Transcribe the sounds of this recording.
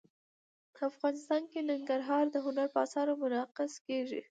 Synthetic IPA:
pəafɣɑnɪst̪ɑnkenɪŋɡaɾɦɑɾd̪əɦʊnaɾpəasɑɾomʊnɑqɪskeʒḭ

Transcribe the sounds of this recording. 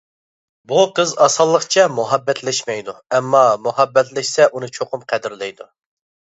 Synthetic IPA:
buqʰəzɑsɑlˠːəqt͡ʃʰɛmuɦɑbːɛt̪lɛʃmɛjd̪uɛmːɑmuɦɑbːɛt̪lɪʃsɛʔunɨt͡ʃʰoqʊmqʰɛd̪ɪɾlɪjd̪u

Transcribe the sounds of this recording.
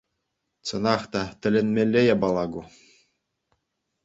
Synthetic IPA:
t͡sɤ̆nɑχt̪ɑt̪ʲɘ̆lʲɘ̆nʲmʲelʲːejɑbɑlˠɑɡu

